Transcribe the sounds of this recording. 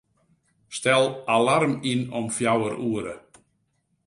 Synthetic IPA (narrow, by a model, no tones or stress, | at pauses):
stɛlˠalarminɔmfjawəɾuəɾə̰